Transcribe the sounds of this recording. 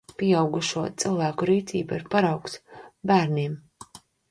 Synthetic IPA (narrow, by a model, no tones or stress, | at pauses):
pʲiɛawɡuʃuɔtt̪sɨlˠvæːkuɾiːt̪sḭːbaiɾpaɾawksbæːɾnim